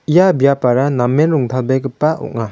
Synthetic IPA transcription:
ijabijapaɾanamenɾuŋtʰalbekɯpːaṵʔ̚ŋa

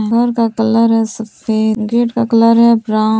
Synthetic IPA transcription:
ɡʱɐɾkakɐləɾɦɛsɐfeːɡeːʈkakɐləɾɦɛbɾaː

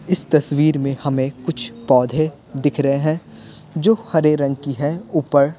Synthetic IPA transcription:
ɪst̪ɐswiːɾmẽhɐmẽkʊt͡ʃʰpɔːd̪ʱẽ | d̪ɪkʰɾɐɦeɦɛ̃ː | d͡ʒoːhɐɾeɾɐ̃ŋkiɦɛuːpəɾ

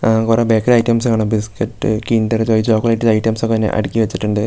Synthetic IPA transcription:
kureːbeːkːɐɾɐjʈːɐmskaːɳɨbiskɐʈːɨ̰kindɐɾt͡ɕoːjit͡ɕoːkːɐlɐjʈːiɐjʈːɐmsokːet̪ɐnːḛʔɐ̰ɽikʲːiʋɐt͡ɕːiʈːuɳɖɨ

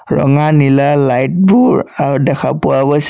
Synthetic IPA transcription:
ɹɔ̰ŋanilalajt̚buɹaɹudɛkʰa̰puabɔs

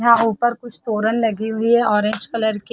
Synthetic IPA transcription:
ɦãuːpəɾkʊt͡ʃʰt̪oːɾənlɐɡiɦʊiɦɛʔɔːɾẽːd͡ʒkɐləɾke

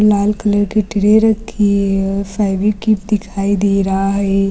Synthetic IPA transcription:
laːlkələɾkiʈɪɽeɾɐkʰifaːʋikip̚d̪ɪkʰaːid̪eːɾaɦaɦɛː

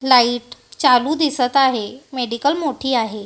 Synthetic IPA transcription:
laiːʈt͡ɕaluːd̪isət̪aɦemeɽikəlmoʈʰiːaɦe

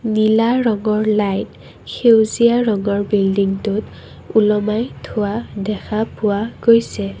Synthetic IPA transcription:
nilaɹɔŋɔɹlajt | kʰewzijaɹɔŋɔɹbildiŋtʊt | ulɔmajtʰʊwadɛkʰapʊwaɡ̥ojsɛ

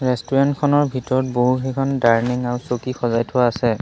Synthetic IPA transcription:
ɹɛstuɹantkʰɔnɔɹbʱitɔɹɔt̚boɦuxɛkʰɔndaɹniŋaɹsokixɔzajtʰʊwaːsɛ

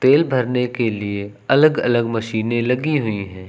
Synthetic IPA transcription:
t̪eːlbʱɐɾnekelie | ɐləɡɐ̰ləɡmɐʃiːnẽlɐɡiɦʊiɦɛ̃ː

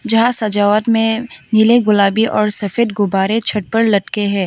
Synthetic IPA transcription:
d͡ʒɐɦãsɐd͡ʒaːʋət̪mẽnɪleɡʊlaːbiʔɔːɾsɐfeːd̪ɡʊbaːɾet͡ʃʰɐʈ̚pəɾlɐʈkeɦɛ̃ː

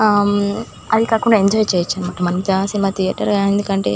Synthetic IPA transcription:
ɐd̪ikaːkuɳɖaːeɲd͡ʒɔːjt͡ʃeːjɐt͡ʃːanumaːʈːɐmɐnt͡ʃasinimat̪ʰijɐʈɐɾaend̪ukɐɳʈe̞̰

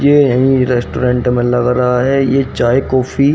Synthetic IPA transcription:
jejɐɦĩɾɛːsʈoːɾẽːɳʈmẽlɐɡɾaɦaɦɛjet͡ʃaːekɔːfi

